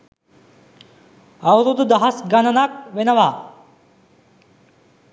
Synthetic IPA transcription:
ɐʋɾud̪d̪ɐɦɐsɡɐnɐnak̚ʋenɐʋaː

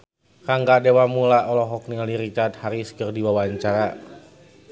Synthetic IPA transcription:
kaŋɡadewamulaʔɔlɔɦɔk̚niŋaliɾit͡ʃart̪haɾiskərdiwawaɲt͡ʃaɾa

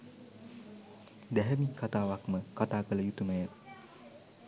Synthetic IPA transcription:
d̪æɦəmikat̪aːʋakməkat̪aːkələjut̪uməjə

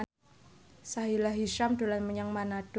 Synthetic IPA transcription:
saɦilaɦiʃamd̥̪o̤lanməɲaŋmanad̥

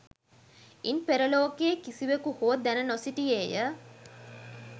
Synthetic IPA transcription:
inpeɾəloːkeːkisiʋekuhoəd̪ænənosiʈijeːjə

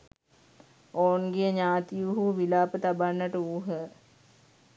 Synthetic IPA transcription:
oːnɡijəɲaːt̪ijuɦuʋilaːpət̪abanːəʈəuːɦə

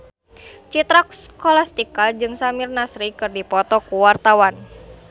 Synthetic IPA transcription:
t͡ʃit̪ɾakskɔlast̪ikad͡ʒɨŋsamirnasɾikɨrdipɔt̪ɔkuwart̪awan

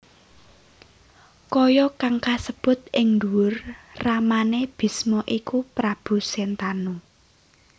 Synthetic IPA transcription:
kɔjɔkaŋkasəb̥ʊ̤t̪̚ʔɪŋnd̪uwʊrramaneb̥i̤smɔʔikupɾab̥ṳsɛnt̪anu

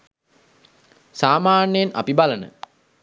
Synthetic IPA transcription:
saːmaːnəjena̰pibalənə̰

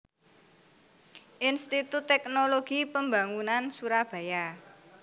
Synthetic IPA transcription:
ʔinst̪it̪ut̪ːɛk̚noloɡ̥ipəmbaŋunansuɾab̥a̤ja

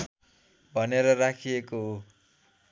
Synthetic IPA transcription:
bʱʌneɾʌrakʰijekoɦo

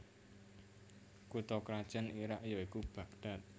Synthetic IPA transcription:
kut̪ɔkɾad̥ʒ̥a̤niɾaʔjoikub̥a̤ɡd̪̥a̤t̪̚

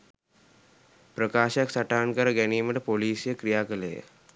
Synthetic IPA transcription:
pɾəkaːʃaksaʈaːnkəɾɐɡɛniːməʈpoliːsjəkɾijaːkəlḛː

